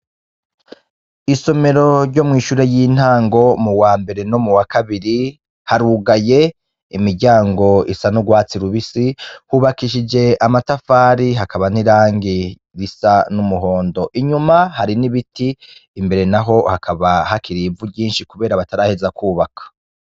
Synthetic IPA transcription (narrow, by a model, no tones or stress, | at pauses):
iso̞me̞ɾo̞ɾɟo̞mŋiːʃuːɾe̞jiːn̥haːŋɡo̞muwaːmbe̞ɾe̞no̞muwakaβiɾi | haɾuɡaje̞ | imiɾɟaːŋɡo̞isanuɡwaːt͡siɾuβisihuβakiʃid͡ʒe̞amatafaːɾiɦakaβan̥iɾaːŋɡi | ɾisanumuɦo̞ːndo̞ʔiɲumahaɾiniβitiː | mbe̞ɾe̞naɦo̞hakʰaβahakiɾibvuɟiːnʃikuβe̞ːɾaβataɾaːhe̞zakuːβakʰḁ